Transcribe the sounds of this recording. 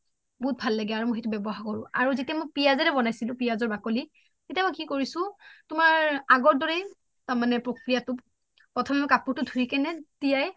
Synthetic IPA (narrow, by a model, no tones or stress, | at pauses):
bɔɦut̚bʱalːaɡɛaɹumʊxejtubɛbɔɦaɹkɔɹʊʔa̰ɹuzitijamojpijazɛɹɛbɔnajsilʊ̃pijazɔɹbakoli | ketijamɔjkikoɹisʊ̃tʊmaɹaɡɔɹdɔɹɛ | taɹmanɛpɹokɹijatʊ | pɹɔtʰɔmɛmɔjkapuɹtʊdʱuɹikɛnɛtijaj